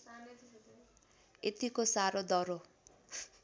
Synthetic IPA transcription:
et̪ikosaɾod̪ʌɾo

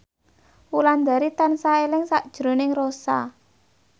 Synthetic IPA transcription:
wuland̪a̤ɾit̪ansaelɪŋsaʔd̥ʒ̥ɾo̤nɪŋrosa̰

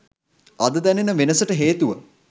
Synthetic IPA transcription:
ɐd̪əd̪ænenəʋenəsəʈəɦeːt̪uʋə

